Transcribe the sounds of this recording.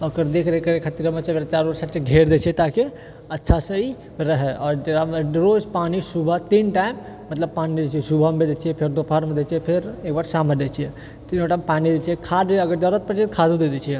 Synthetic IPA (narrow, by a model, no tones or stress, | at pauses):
əkəɾd̪ekʰɾekəɾekʰət̪iɾəmet͡ʃʰemeɾat͡ʃaɾbaɾsaʈt͡ʃeɡʱeɾd̪et͡ʃʰijɛt̪ake | ətːʃʰasə̃i | ɾəɦɛʔɔːɾd͡ʒeɾaɖɾod͡ʒpanisubʱat̪inʈaɪmː | ət̪ləb̚paniid͡ʒet͡ʃʰiɛsubʱammed͡ʒ̪et͡ʃʰijɛpʰeɾd̪opʰaɾmed̪et͡ʃʰijɛpʰeɾekbaɾsaməld̪et͡ʃʰijɛ | t̪inoʈampanid̪et͡ʃʰiɛkʰad̪eəɡəɾd͡ʒəɾət̪̚pəɾt͡ʃet̪kʰad̪ud̪ed̪ɛt͡ʃʰijɛ